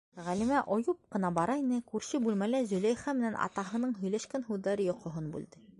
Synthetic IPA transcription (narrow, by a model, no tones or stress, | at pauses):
ʁælimæʔŏjup̚qɤ̆nɑbɑɾɑinɘkʉɾɕɘbʉlmælæzɵ̆læjχæmɘ̆nænɑ̰t̪ɑɦɤ̆nɤɴɦɵ̆jlæʃkænhuðːɑɾɤjŏqŏɦɤnbʉ̰ld̪ɘ